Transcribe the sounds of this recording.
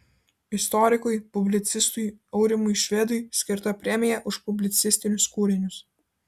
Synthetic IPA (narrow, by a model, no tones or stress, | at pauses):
ɪst̪ɔɾʲɪkʊjpʊbʲlʲɪt̪sʲɪst̪ʊjɒʊɾʲɪmʊjʃʲʋʲɛd̪ʊjsʲkʲɪɾt̪ɐpʲɾʲɛmʲɪjɛʔʊʃpʊbʲlʲɪt̪sʲɪsʲt̪ʲɪnʲʊskuːɾʲɪnʲʊs